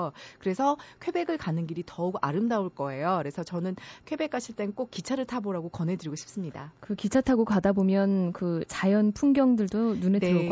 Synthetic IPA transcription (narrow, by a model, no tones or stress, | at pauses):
kɯɾe̞sʰʌkʰwe̞be̞ɡɯɭkanɯnɡiɾitʌuɡaɾɯmdauɭk͈ʌe̞jokɾe̞sʰʌt͡ɕʌnɯnkʰwe̞be̞k͈ʰaɕʰiɭt͈e̞nk͈ok̚k͈it͡ɕʰaɾɯɭtʰaboɾaɡokʌnɦe̞dɯɾiɡoɕʰip̚s͈ɯmɲidakɯkit͡ɕʰatʰaɡokadabomjʌnkɯt͡ɕajʌnpʰuŋɡjʌŋdɯɭdonuneɯɾʌ